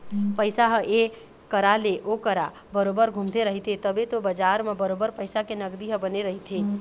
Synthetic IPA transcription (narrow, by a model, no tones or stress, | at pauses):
pəɪsaɦəʔe | kəɾaleʔokəɾa | bəɾobəɾɡʱumt̪eɾəɦit̪ʰet̪əbet̪obəd͡ʒaɾmebəɾobəɾpəɪsakenəɡd̪iɦəbəneɾəɦit̪ʰe